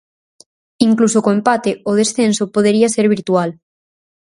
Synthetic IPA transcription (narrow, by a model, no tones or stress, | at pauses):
iŋklusokoempat̪eʔoð̞esθensopoð̞eɾiaseɾβ̞iɾt̪ual